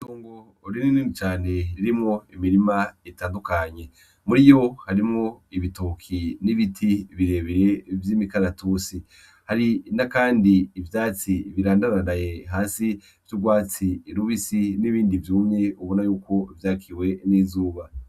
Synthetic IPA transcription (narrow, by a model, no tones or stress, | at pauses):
tuːŋɡo | ɾinininit͡ʃaːne̞ɾiɾimŋoimiɾimaetaːndukaɲe̞ | muɾijo̞haɾimŋoiβitukʰiniβitʰiβiɾe̞ːβeɾevjiːmikaɾatusi | haɾinakaːndiːvjaːt͡siβiɾaːndanandaje̞ɦaːsi | v̥juɡwaːt͡siːɾuβisiniβiːndivjuːmɲe̞uβo̞najuːko̞vjaːkʰiwe̞niːzuːβa